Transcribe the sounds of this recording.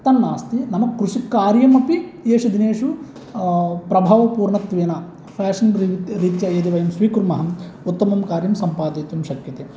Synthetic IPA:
t̪ɐnːaːst̪inɐmɐkɾuʂikːaːɾjɐmɐpieːʂud̪ineːʂu | pɾɐbʱaːʋɐpuːɾɳɐt̪ʋeːnɐ | pʰaːʂɐnɾiɾiːt̪jɐeːd̪iʋɐjɐmsʋiːkuɾmɐɦɐmut̪ːɐmɐmkaːɾjɐmsɐmpaːd̪eːt̪jɐmʃɐkjɐt̪e

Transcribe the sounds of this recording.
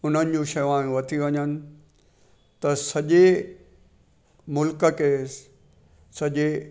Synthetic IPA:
ʊn̤ənɪ̆d͡ʑũʃɐjuaẽʋɐt̪ʰiʋɐɲənɪ̆ | t̪ɐsɐʄe | mʊlkə̆keː | sɐʄe

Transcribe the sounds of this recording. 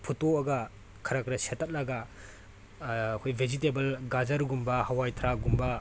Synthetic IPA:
pʰutoɐɡɐ | kʰɐɾakɾɐsetʰːɐt̚lɐɡɐ | kʰojbʱezitebɐlɡad͡ʒɐɾɡumbɐhawajtʰɾaɡumbɐ

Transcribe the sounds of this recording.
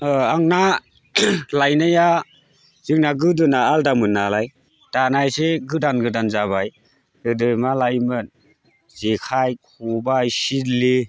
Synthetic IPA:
aŋna | lajnaja | z̥ɯŋ̚naɡɯdɯnaːldamɯnːalaj | tanajseɡɯdanɡɯdanzaβaj | dɯdɯjmalajmɯn | z̥ekʰajkʰɔbajsidli

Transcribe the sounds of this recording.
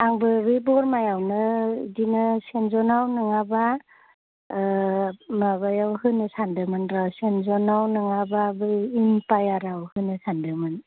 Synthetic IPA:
aŋbɯɾibɔɾmajawnɯdinɯsenzɔnawnɯŋaba | maβajawhɯnɯsandɯmɯnɾasenzɔnawnɯŋababɯinpajaɾawhɯnɯsandɯmɯn

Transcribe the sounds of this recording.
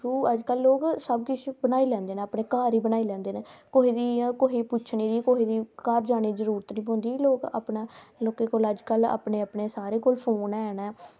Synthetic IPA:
uːəd͡ʒkəlːoːksəbkɪt͡ʃʰbənaːiːlɛ̃ːnd̪eːnẽːaːpɳeːkaːɾiːbənaːilɛ̃ːnd̪eːneːkoːɦiːd̪iːkoɦiːpʊt͡ʃʰɳiːd̪iːkoɦiːd̪iːkəɾd͡ʒaːneːzəɾuːɾət̪nĩːɦõːnd̪iːloːka̰ːpnaːloːkeːkoːləd͡ʒkəla̰ːpɳeːəpɳeːsaːɾẽːkoːlpʰoːnɛːnɛː

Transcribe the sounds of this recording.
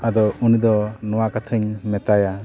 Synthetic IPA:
ad̪ɔunid̪ɔnɔwakat̪ʰəɲmɛt̪aja

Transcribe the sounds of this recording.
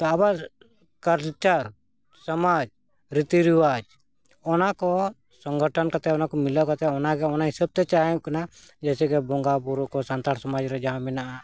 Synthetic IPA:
t̪ɔaba | kaɾt͡ʃaɾ | səmad͡ʒ | ɾit̪iɾiwad͡ʒ | ɔnakɔ | səŋɡəʈʰənkat̪ɛɔnakɔmilɔʔkat̪ɛɔnaɡɛɔnaɦisəb̚t̪ɛt͡ʃaɦɛ̃kana | d͡ʒɛsɛɡɛbɔŋɡapuɾɔkɔsant̪aɽsɔmad͡ʒɾɛd͡ʒaɦãmɛnaʔa

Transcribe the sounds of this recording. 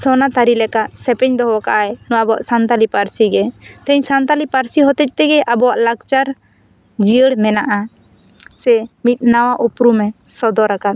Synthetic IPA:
sɔnat̪aɾilɛkaʔsɛpɛɲd̪ɔɦwaka̰ʔaɛnɔwabɔwa̰ʔsant̪alipaɾsiɡɛt̪ɛ̃ɲsant̪alipaɾsiɦɔt̪ɛc̚ˀt̪ɛɡɛʔabɔwaʔlakt͡ʃaɾ | d͡ʒiəɽmɛnaʔa | sɛmit̪̚ˀnawaʔupɾumɛsɔd̪ɔɾakat̪̚

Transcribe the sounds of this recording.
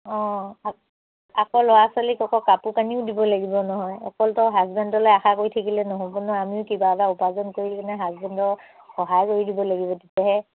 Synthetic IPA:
ɔ̃a | akɔlɔwasalikɔkɔkapukaniʊdibɔlaɡibɔnɔɦɔjɔkɔltɔɦazbɛndɔlojaxakoɹitʰakilɛnɔɦobɔnɔamiʊkibaɡaupazɔnkoɹikanɛɦazbɛndɔ | xɔɦajkoɹidibɔlaɡibɔtitɛɦɛ

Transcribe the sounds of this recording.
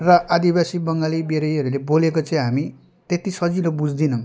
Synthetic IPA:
rʌʔad̪ibasibʌŋɡalibeɾʌjɦʌɾulebolekot͡sʌĩɦami | t̪et̪isʌd͡zilobud͡zd̪inʌm

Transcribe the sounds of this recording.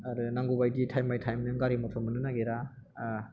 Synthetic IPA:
aɾɯnaŋɡubajɡitʰajmajtʰajmnɯŋɡaɾimɔtʰɔmɯnɯnaɡeɾa

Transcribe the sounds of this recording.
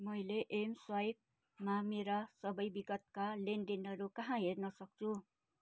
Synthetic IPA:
mʌjleʔemswajk̚ | mameɾʌsʌbʌjbiɡʌt̪kalenɖinɦʌɾukʌɦãɦernʌsʌk̚t͡sʰu

